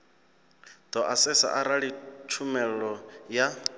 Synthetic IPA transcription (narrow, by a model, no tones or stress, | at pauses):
d̪̥ɔʔasɛsa̰ʔaɾaɺit͡ʃʰumɛɺɔja